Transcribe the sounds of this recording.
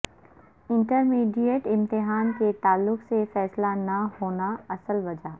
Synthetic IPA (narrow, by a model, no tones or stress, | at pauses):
ɪ̃ɳʈəɾmiːɖijeʈɪ̃mt̪ɪɦaːnket̪aːlːʊksefɛːslanɐɦoːnaɐsəlʋɐd͡ʒaː